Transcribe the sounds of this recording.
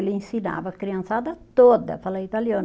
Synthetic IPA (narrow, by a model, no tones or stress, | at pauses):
lĩnsina̰vɐkɾiɐ̃nsad̪ɐt̪od̪ɐ̰falait̪aljon